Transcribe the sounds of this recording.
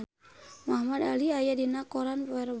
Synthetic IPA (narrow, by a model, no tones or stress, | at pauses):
maɦmad̪aliajadinakɔɾanpɛɾb